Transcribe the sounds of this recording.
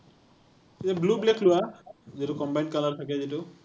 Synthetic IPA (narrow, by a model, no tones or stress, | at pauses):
kitɛblubleklʊwazitʊkɔmbajnkalaɹt̪ʰakɛzitʊ